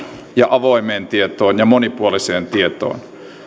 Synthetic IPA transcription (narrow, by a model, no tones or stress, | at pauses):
jɑʔɑʋoimeːnt̪iet̪oːnjɑmonipuoliseːnt̪iet̪o̰ːn